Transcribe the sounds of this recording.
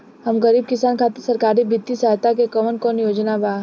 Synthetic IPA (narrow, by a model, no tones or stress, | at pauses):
ɦɐmɣəɾiːb̚kɪsaːnkʰaːt̪ɪɾsɐɾkaːɾibʱɪt̪ːisaɦt̪akekɐmənkɔːnjoːd͡ʒnabaː